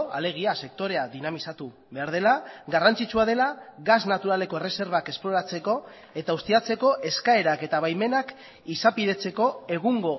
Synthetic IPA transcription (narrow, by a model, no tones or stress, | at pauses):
a̰le̞ɣ̞iase̞k̚t̪o̞ɾe̞aðinamisat̪u | βe̞aɾð̞e̞laɣarant͡sit͡suaðe̞laɣaznat̪uɾale̞ko̞erese̞ɾβ̞ake̞splo̞ɾat͡se̞ko̞ | e̞t̪aust̪iat͡seko̞ʔe̞skae̞ɾake̞t̪aβ̞ajme̞nak | isapiðe̞t͡se̞ko̞e̞ɣ̞uŋɡo̞